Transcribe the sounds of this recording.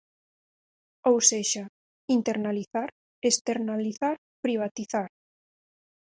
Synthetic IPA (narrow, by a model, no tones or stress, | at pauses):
owseʃa | int̪eɾnaliθaɾ | est̪eɾnaliθaɾ | pɾiβ̞at̪iθaɾ